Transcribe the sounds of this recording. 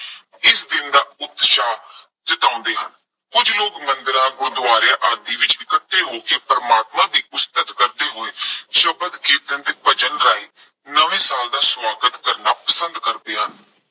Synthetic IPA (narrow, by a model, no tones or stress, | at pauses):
ɪsd̪ɪnd̪aːʊd̪ʃaː | t͡ʃət̪ãːʊ̃nd̪eːɦən | kʊd͡ʒloːkmənd̪əɾãːɡõːd̪aːɾjãːʔaɾd̪iːʋɪt͡ʃɪkət̪ːeːɦoːkeːpəɾəmaːt̪mãːd̪iːʊst̪ət̪kəɾd̪eːɦoːeːʃəbəd̪kɪt̪ənd̪eːbət͡ʃənɾaːiː | nəʋẽːsaːld̪aːswaːɡət̪kəɾnaːpəsənd̪kəɾd̪eːɦən